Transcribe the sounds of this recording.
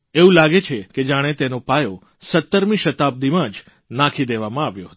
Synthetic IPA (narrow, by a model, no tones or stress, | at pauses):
eũlaɡet͡ʃʰeked͡ʒaɽ̃et̪enopajo | sət̪ːəɾmiʃət̪ab̚d̪imãd͡ʒ | nãkʰid̪eʋamãaʋjõ̰ɦət̪